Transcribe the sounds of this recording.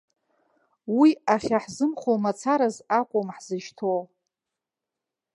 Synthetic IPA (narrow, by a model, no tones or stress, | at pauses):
wiaχʲaħzɨmχomat͡sʰaɾazakʷʼʊmħz̥ɨʃtʰow